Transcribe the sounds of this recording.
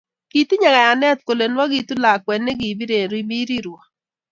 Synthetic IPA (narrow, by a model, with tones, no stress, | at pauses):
ki˨ti˦ɲa˨ɡa˨ja˨nɛ˦t̪̚ko˨le˨nwɔ˦ɡi˨tu˦la˨kwɛ˨nːe˦ɡi˨bi˦ɾe˨ɾi˦bi˦ɾi˦ɾɔ˨